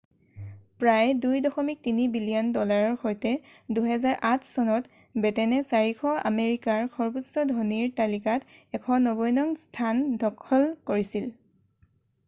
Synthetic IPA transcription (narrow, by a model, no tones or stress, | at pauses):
pɹajdujdɔxɔmik̚tinibilijɔndɔlaɹɔɹxojtɛduɦɛzaɹʔatʰsɔnɔt | bɛtɛnɛsaɹikʰɔa̰meɹikaɹkʰɔɹbusɔdʱɔniɹtalikatɛkʰɔnɔbɔjnɔŋstʰandʱɔkʰːɔlkoɹisil